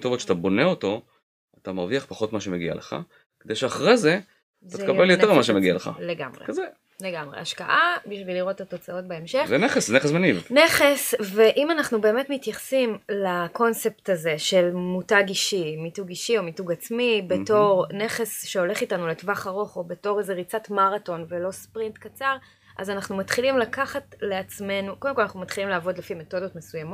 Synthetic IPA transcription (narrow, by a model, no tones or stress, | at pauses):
t̪ovotʃat̪abo̞neoto̞ | atamaʁviaχpaχo̞tmaʃemeɡia̰leχa̰ | ked̪ejʃeaχʁeze̞ | t̪at̪kabeljotemimaʃemeɡialeχa̰leɡa̰mʁḛkze | leɡamʁḛaʃka̰ʔabiʃviliʁo̞tato̞t͡sao̞t̚beemʃezeneχeszneesmenivneχesveʔimanaχnube̞eːmetmitjaχsimlako̞nse̞ptaze̞ʃe̞lmutaɡiʃimituɡiʃio̞mituɡat͡smibe̞to̞ʁne̞χe̞sʃeo̞le̞χitanuletvaχaʁo̞χo̞beto̞ʁeze̞ʁit͡satmaʁato̞nvelo̞spʁintkat͡saʁ | ʔa̰zanaχnumatχilimlakaχatle̞at͡sme̞nukodemkoanaχnumat̪χilimleaːvo̞dlefime̞to̞do̞tmesujamo